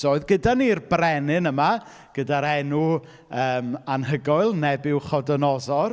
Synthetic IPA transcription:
oɨðɡədanirbrɛnɨnəma | ɡ̥ədaɾɛnu | əːmanɦəɡɔɨlˠnɛbɪwχɔdɔnɔðɔr

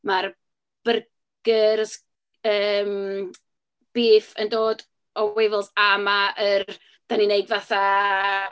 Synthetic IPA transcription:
mar | b̥ər | ɡ̥ərs | əːm | b̥iːfə̰ndoːd | ɔwevɪlˠsamaʔər | d̥anineɨdvaθa

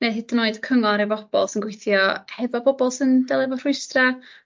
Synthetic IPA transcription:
neɦɪːdənoːɨdkʰəŋɔɾivɔb̥ɔ̰lˠsɪnɡwɪjθjɔhɛvɔbɔbɔlˠsɪndɛlˠɛvɔr̥ʊɨstra

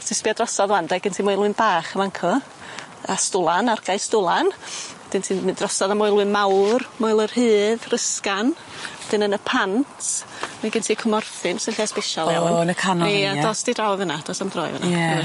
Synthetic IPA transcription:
tʰɪspiɔdrɔsɔðlˠandɛɡ̥əntʰimʊɨlˠwɨnbaːχəvaŋkʰɔ | astʊlˠanarɡ̥aɨstʊlˠanɛd̥ɨntʰiːnmɨdrɔsɔðamɔɨlˠwɨnmawrmɔjlˠər̥hɨːðrəskan | ɛd̥ɨnənəpʰantʰ | maɡɪntʰikʰʊmɔrθɪnsɪnɬɛspeʃɔlalˠɔnəkʰaniadɔːsd̥idrawvənad̥ɔːsamdrɔ̰ːɨ̰və̰na̰ɛ

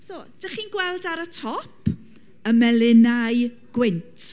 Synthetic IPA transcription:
sod̥əχiːnɡwɛlˠdaɾətʰɔpʰ | əmɛlɪnaɨ | ɡ̥wɪntʰ

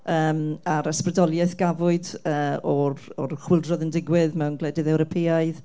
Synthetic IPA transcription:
əːmaɾasprədɔlˠjɛθɡ̥avʊɨdəːɔrɔrχwɪlˠdrɔðəndɪɡwɪðmɛwnɡlˠɛdɪðɛwɾɔpʰeaɨð

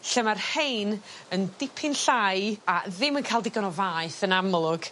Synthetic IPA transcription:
ɬəmarhejnəndɪpʰɪnɬajaðɪmənkʰaːlˠdɪɡɔnɔvaːɨθənamlˠʊɡ̥

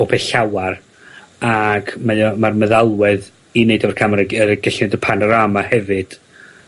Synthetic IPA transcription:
opʰɛɬawar | aɡmajɔmarməðalˠwɛð | ineɨdɔvɛrkʰamɾaəɾəɡ̥əɬɪdəpʰanɔɾamahɛvɨd̥

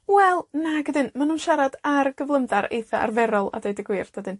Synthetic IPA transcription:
wɛlˠnaɡədɪnmanunʃaɾad̥arɡ̥əvlˠəmðaɾḛjθaʔa̰rvɛɾɔlˠa̰dejdɪɡwɪrd̥adɨn

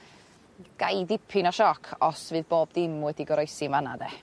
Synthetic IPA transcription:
ɡ̥ajdɪpʰɪnɔʃɔkʰɔsvɨːðboːb̚dɪmwɛdiɡɔɾɔjsɪnvanadɛ

